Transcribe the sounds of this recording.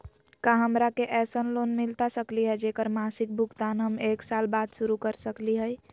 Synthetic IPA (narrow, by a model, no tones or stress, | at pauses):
kaɦəmɾakeʔɛsənlonmilt̪asəkliɦɛd͡ʒekəɾmasik̚bʱuɡt̪anɦəmeksalbad̪suɾukəɾsəkliɦəj